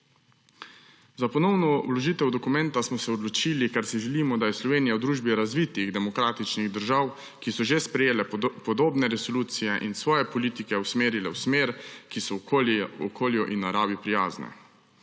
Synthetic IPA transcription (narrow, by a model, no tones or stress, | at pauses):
zapɔnɔwnɔwlɔʒiːt̪ɛwd̪ɔkumɛnt̪asmɔsɛɔd̪lɔt͡ʃilikaɾsiʒɛliːmɔd̪ajɛslɔʋeːnijawd̪ɾuːʒbiɾazʋiːt̪iɣd̪ɛmɔkɾaːt̪it͡ʃniɣd̪əɾʒaw | kisɔʒespɾɛjeːlɛpɔd̪oːbnɛɾɛsɔluːt̪sijɛʔinsʋɔːjɛpɔliːt̪ikɛwsmeːɾilɛwsmeːɾkisɔoɔkʰoːljɔʔinːaɾaːbipɾijaːznɛ̰